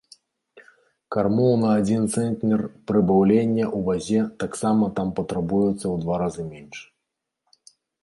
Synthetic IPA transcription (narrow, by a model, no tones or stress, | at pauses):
karmɔlˠnɐːd͡zʲint̪sɛnt̪nʲɛrpɾɨbawlʲenʲːɐʔubazʲɛt̪aksamɐt̪ampɐt̪ɾabujɛt̪sːɐwd̪vaɾazɨmʲenʲʂ